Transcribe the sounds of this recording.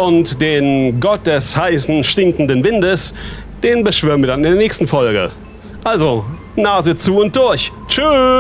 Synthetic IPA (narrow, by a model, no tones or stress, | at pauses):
ʔʊntd̥eːnɡɔt̚d̥ɛshaɪsn̩ʃtɪŋkn̩dənvɪndəs | d̥eːnbəʃv̥øːʁənviɐdanɪndeːɐnɛːçstn̩fɔlɡə̰ | ʔalzo | naːzət͡suːʊnt̚d̥ʊɐç | t͡ʃy